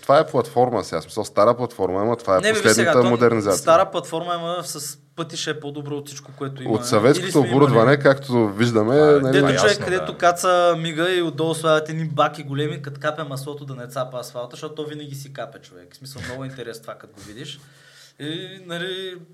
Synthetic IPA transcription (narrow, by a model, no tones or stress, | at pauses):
t̪ovaɛplˠɐt̪fɔɾmə̰sasmi̥səlˠst̪aɾəplˠɐt̪fɔɾmɐɛmət̪vaɛnɛislɛd̪nəat̪əmod̪ɛɾnizat̪sit̪aɾəplˠɐt̪fɔɾmɐɛməsɐs | pɤt̪iʃɛːpod̪obɾɔot̪si̥t͡ʃkokoɛt̪ʊio̰t̪sɐvɛt̪soit̪oːbuɾəd̪vɐnɛkakt̪oviʒd̪əmɛnɐlɛiot͡ʃovɛkːɐd̪ɛt̪okat̪səmiɡəiod̪ːɔlˠsadɐt̪ɛd̪nibakiɡolɛmikɐt̪kapɛmɐslˠɔt̪od̪ɐnɛt̪sapəsvat̪əʃt̪ɔt̪t̪ɔvinəɡʲis̬ikapɛt͡ʃovɛ̰ksmisəlˠmnoɡint̪ɛɾɛst̪ovakɐt̪oɡovid̪iʃ | inɐli